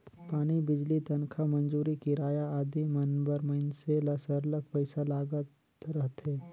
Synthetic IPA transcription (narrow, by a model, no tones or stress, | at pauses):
paːɽ̃ibɪd͡ʒlit̪ɐnkʰamɐ̃nd͡ʒuːɾikiɾaːjaaːd̪imɐnbəɾmɐɪnselɐsəɾlək̚pəɪsalaːɡət̪ | ɾɐɦt̪ɦɛ̃ː